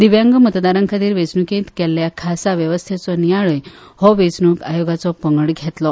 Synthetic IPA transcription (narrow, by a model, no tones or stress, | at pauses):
d̪iʋjãŋɡmət̪d̪aɾəŋkʰat̪iːɾʋet͡snukẽt̪kɛlːjakʰasaʋjəʋəst̪ʰet͡sɔnijaɭəj | hɔʋet͡snukajoɡat͡sɔpəŋɡəɽɡʱɛt̪lɔ